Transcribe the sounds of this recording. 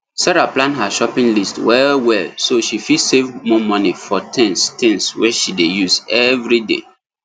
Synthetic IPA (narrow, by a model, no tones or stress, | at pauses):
sɛɹaplãnɦaʃɔpĩŋlistwɛlwɛlsoʃifisevmɔmɔnifɔtʰɛ̃nstɛ̃nswɛʃidejuzɛvɹidḛ